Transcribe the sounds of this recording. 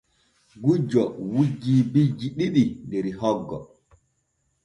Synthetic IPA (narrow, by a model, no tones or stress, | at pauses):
ɡud͡ʒɔwud͡ʒːiːbid͡ʒiɗiɗindɛɾihɔɡːɔ